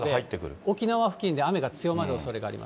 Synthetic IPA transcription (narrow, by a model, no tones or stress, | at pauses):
ɡd̪hait̪ːe̞kɯ̟ɾɯ̟o̞kʲinaβaɸɯ̟̥kʲĩnd̪e̞ame̞ɡat͡sɨjo̞maɾɯ̟oso̞ɾe̞ɡa̰ːɾʲḭmʔa̰s